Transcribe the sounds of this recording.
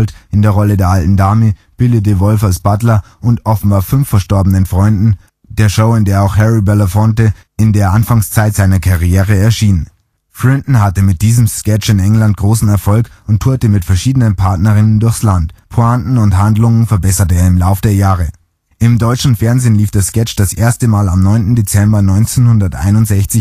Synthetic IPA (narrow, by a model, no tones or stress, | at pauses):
ltʔɪndeːɐʁɔlədeːɐʔaltn̩daːmə | b̥ɪldət̬əvɔlfalsb̥atlɐ | ʔʊntʔɔfn̩baːɐfʏnfːɛɐʃtɔɐbənənfʁ̥ɔʏndn̩ | d̥eːɐʃoʊɪndeːɐaʊxhɛʁibɛləfɔntə | ɪndeːɐʔanfaŋst͡saɪtz̥aɪnɐkʰaʁijeːʁ̞əɛɐʃiːnən | fʁɪntn̩hatəmɪt̚d̥iːzəmskɛt͡ʃɪnɛŋlant̚ɡ̥ʁoːsn̩ɛɐfɔlkʊnt̚ʰuːɐtəmɪtfɛɐʃiːdənənpʰaɐtnɐʁ̞ɪnəndʊɐçslantpʰoantn̩ʊnthandlʊŋənfɛɐbɛsɐtəeːɐɪmlaʊfəd̥eːɐjaːʁə | ʔɪmdɔʏt͡ʃn̩fɛɐnzeːnliːfd̥eːɐskɛt͡ʃd̥asʔḛːɐstəmaːlamnɔʏntn̩det͡sɛmbɐnɔʏnt͡seːnhʊndɐtʔa̰ɪnʊntz̥ɛçt͡sɪç